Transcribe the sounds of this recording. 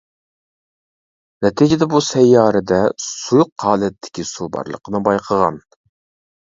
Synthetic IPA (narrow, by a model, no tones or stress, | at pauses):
nɛt̪ʰid͡ʒɪd̪ɛbusɛjːɑːɾɨd̪ɛsujʊqːɑːlɛt̪ʰːɪ̥kʲisubɑ̰ɾlˠə̰qʰənɨbɑjqʰəʁɑ̰n